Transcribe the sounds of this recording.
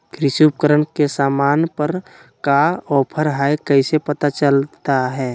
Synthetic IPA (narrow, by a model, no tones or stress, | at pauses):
kʰɾɪʃuːp̚kəɾənkesaːmaːnpəɾ | kaɔːpʰəɾɦaːekəɪsepət̪at͡ʃəlt̪aɦɛː